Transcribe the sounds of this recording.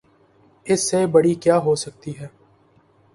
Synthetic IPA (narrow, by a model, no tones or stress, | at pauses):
ɪsːebɐɽikjaːɦosɐk̚t̪iɦɛː